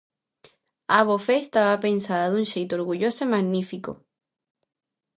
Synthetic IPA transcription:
aβofeːst̪aβapensaðaðunʃejt̪oɾɣuʝosomaɣnifiko̰

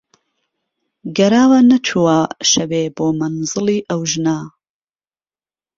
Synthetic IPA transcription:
ɡɐɾaːwɐnɐt͡ʃʰuwaːʃɐweːboːmɐnzɨlˠiːʔɐwʒnaː

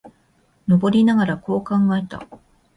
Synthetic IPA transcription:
no̞bo̞ɾʲinaɡaɾako̞ːkãŋɡae̞t̪a̰

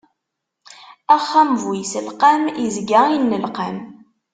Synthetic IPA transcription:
æχːæmvijsəlqamizɡainːəlqam

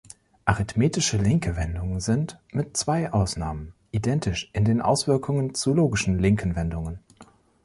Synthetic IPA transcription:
ʔaʁɪtmeːtɪʃəlɪŋkəvɛndʊŋənzɪntmɪtt͡sv̥aɪʔaʊsnaːmənʔidɛntɪʃʔɪndeːnʔa̰ʊsv̥ɪɐkʰʊŋənt͡suloːɡɪʃn̩lɪŋkʰn̩vɛndʊŋən

